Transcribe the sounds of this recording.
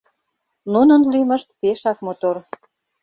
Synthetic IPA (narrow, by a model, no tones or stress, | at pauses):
nunə̆nlymə̆ʃt̪peʃɑkmot̪or